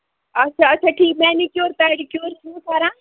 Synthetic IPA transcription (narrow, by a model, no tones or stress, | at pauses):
ɐtːʃʰaːɐtːt͡ʃʰaːʈʰiːk̚mɛ̃ːnikjoːɾt̪aɽikjoːɾsĩsaːɾãː